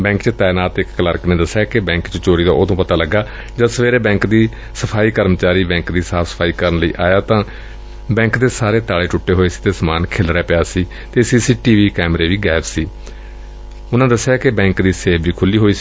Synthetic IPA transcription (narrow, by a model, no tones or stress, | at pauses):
bɛ̃ːŋkt͡ʃt̪ɛːnaːt̪ɪkːləɾkneːd̪əsːɪjaːkɪbɛ̃ːŋkt͡ʃt͡ʃoːɾiːd̪aːoːd̪õːpət̪aːləɡːaː | d͡ʒəsʋeːɾeːbɛ̃ːŋkd̪iː | səpʰaːiːkəɾmt͡ʃaːɾiːbɛ̃ːŋkd̪iːsaːpʰsə̥pʰaːiːkəɾənləḭːʔaːjaːt̪ãː | bɛ̃ːŋkd̪eːsaːɾeːt̪aːleːʈʊʈːeːɦoːeːsi̥ːt̪eːsəmaːnkʰeːlɾɛːpɪaːsiː | t̪eːsiːsiːʈiːʋiːkɛːmɾeːʋiːɡɛːpsiː | ʊnãːd̪əsːejaːkɪbɛ̃ːŋkd̪iːseːbiːkʰʊlːiːɦoːiːsiː